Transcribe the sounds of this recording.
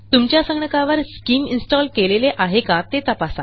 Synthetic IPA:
t̪umt͡ɕjasəŋɡɳəkaʋəɾskiːminsʈɔlkeleleʔaɦekat̪et̪əpasa

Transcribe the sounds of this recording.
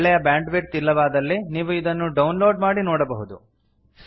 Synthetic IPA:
ɭɛjɐbaːɳɖʋeʈ̚t̪ilːɐʋaːd̪ɐlːiniːʋuid̪ɐnːuɖɐwnloːɖmaːɽinoːɽɐbɐɦud̪u

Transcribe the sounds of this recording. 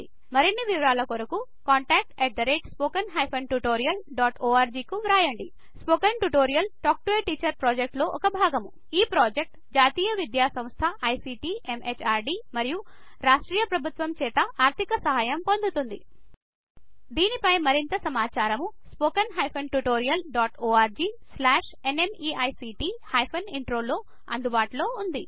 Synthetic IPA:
mɐɾinːiʋiʋɐɾaːlɐkoɾɐku | kaːɳʈaːk̚ʈɛːʈ̚d̪ɐɾeːʈspoːkɐnɦɐjpʰɐnʈuʈoːɾijɐlɖaːʈoːaːɾd͡ʒiːkuʋɾaːjɐɳɖi | spoːkɐnʈuʈoːɾijɐlʈoːk̚ʈeːʈiːt͡ʃɐɾpɾɔːd͡ʒek̚ʈlo̞ːʔɔkɐbʱaːɡɐmu | iːpɾoːd͡ʒek̚ʈ | d͡ʒaːt̪iːjɐʋid̪jaːsɐ̃mst̪ʰɐʔɐjsiːʈiːemʔet͡ʃaːɾɖiːmɐɾiju | ɾaːʂʈɾiːjɐpɾɐbʱut̪ʋɐmt͡ʃɛːt̪ɐaːɾt̪ʰikɐsɐɦaːjɐmpo̞nd̪ut̪und̪ḭ | d̪iːnipɐjmɐɾint̪ɐsɐmaːt͡ʃaːɾɐmuspoːkɐnɦɐjpʰɐnʈuʈoːɾijɐlɖaːʈoːaːɾd͡ʒiːslaːʂ | enemiːɐjsiːʈiːhɐjpʰɐniɳʈɾoːlo̞ː | ɐ̰nd̪ubaːʈlo̞ːund̪i

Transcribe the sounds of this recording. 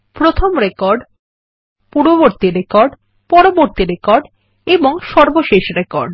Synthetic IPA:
pɾot̪ʰomɾekɔɾɖ | puɾoβoɾt̪iɾekɔɾɖ | pɔɾoboɾt̪iɾekɔɾɖ | eboŋʃɔɾboʃeʃɾekɔɾɖ

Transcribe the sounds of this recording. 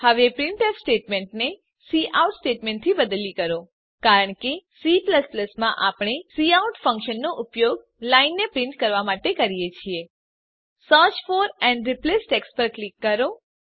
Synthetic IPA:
həʋepɾɪɳʈɛsʈeʈmeɳʈne | siʔauʈsʈeʈmẽɳʈt̪ʰibəd̪likəɾo | kaɾəɳkesipləspləsmãʔapɳ̃esiauʈfə̃ŋkʃənːoʔʊpjoɡ | lainːepɾɪɳʈkəɾʋamaʈekəɾijet͡ʃʰie | səɾt͡ʃfoɾɛɳɖɾiplesʈekspəɾklikːəɾo

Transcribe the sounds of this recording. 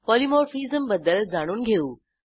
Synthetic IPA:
pɔːlimoːɾfiːzəmbɐd̪əlzaːɽ̃uːnɡʱeuː

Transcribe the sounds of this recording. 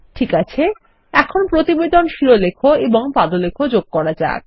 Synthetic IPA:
ʈʰikat͡ɕʰe | ɛkʰonpɾot̪ibed̪onʃiɾolekʰoeboŋpad̪olekʰod͡ʑoɡ̚kɔɾad͡ʑa̰k

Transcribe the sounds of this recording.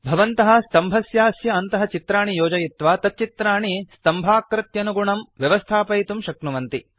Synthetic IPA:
bʱɐʋɐnt̪ɐɦɐ̆st̪ɐmbʱɐsjaːsjɐɐnt̪ɐɦɐ̆t͡ʃit̪ɾaːɳijoːd͡ʒɐjit̪ʋaːt̪ɐt̚t͡ʃit̪ɾaːɳist̪ɐmbʱaːkɾɐt̪jɐnuɡuɳɐmʋjɐʋɐst̪ʰaːpɐjt̪umʃɐknuʋɐnt̪i

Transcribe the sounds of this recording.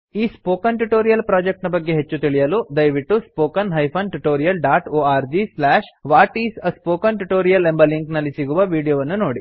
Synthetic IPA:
iːspoːkɐnʈuʈoːɾijɐlpɾaːd͡ʒek̚ʈnɐbɐɡːeɦet͡ʃːut̪iɭijɐlud̪ɐjʋiʈːuspoːkɐnɦɐjpʰɐnʈuʈoːɾijɐlɖaːʈoːaːɾd͡ʒislaːʂʋaːʈiːsɐspoːkɐnʈuʈoːɾijɐlembɐliŋknɐlːisiɡuʋɐʋiːɽijoːʋɐnːuno̞ːɽi

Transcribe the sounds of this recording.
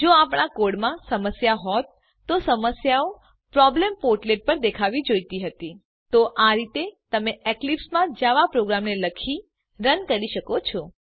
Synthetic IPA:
d͡ʒoapɳ̃akoɽmãsəməsjaɦɔt̪ː | osəməsjao | pɾɔblempoɾʈleʈ̚pəɾd̪ekʰaʋid͡ʒojt̪iɦət̪i | t̪oʔaɾit̪et̪əmeeklipsmãd͡ʒaʋapɾoɡɾamneləkʰi | ɾənkəɾiʃəkot͡ʃʰɔ

